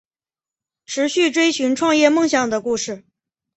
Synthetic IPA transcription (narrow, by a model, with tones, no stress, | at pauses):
ʈ͡ʂʰɻ̩˧˥ɕy˥˩ʈ͡ʂwe˥ɪɕy˧˥nʈ͡ʂʰwɑ˥˧ŋjɛ˥˧mɤ˥˧ŋɕjɑ˨˩ŋd̪ə˩ku˥˧ʂɻ̩˥˩